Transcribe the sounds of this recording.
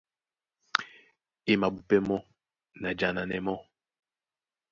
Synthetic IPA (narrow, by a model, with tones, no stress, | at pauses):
e˦ma˨bu˨pɛ˦mɔ˦ | na˨d͡ʒa˨na˨nɛ˨mɔ˦